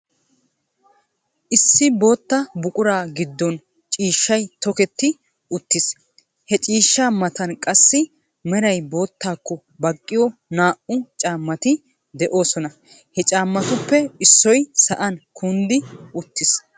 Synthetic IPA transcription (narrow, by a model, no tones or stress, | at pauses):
ʔɪsːɪbo̞ːt̪ːɐbʊkʼʊɾaːɡɪd̪ːɔn | t͡ʃʼiːʃːɐjt̪ɔkɛt̪ːɪ | ʊt̪ːɪs | hɛt͡ʃʼiːʃːaːmɐt̪ɐnkʼɐsːɪ | mɛɾɐjbo̞ːt̪ːaːkːɔ | bɐkʼːɪjɔnaːʔʊt͡ʃʼaːmːɐt̪ɪ | d̪ɛʔo̞ːsɔnɐ | hɛt͡ʃʼaːmːɐt̪ʊpːɛɪsːɔjsɐʔɐnkʰʊnd̪ɪʊt̪ːɪs